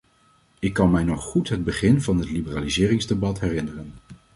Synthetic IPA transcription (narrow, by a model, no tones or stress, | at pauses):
ɪkːɑnmɛjnɔχːutɦəd̚bəχɪnvɑnɦətlibəraːlizɪːrɪŋzdebɑtɦɛrɪnərən